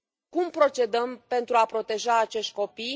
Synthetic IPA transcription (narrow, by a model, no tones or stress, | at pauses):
kumpɾo̞t͡ʃe̞d̪əmpe̞nt̪ɾuapɾo̞t̪e̞ʒaːt͡ʃe̞ʃt̪̚ʲko̞pij